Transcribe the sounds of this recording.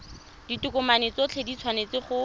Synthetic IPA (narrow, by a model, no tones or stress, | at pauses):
d̥itʊkʊmanet͡sɔt͡ɬʰedit͡sʰwanet͡sɪχʊ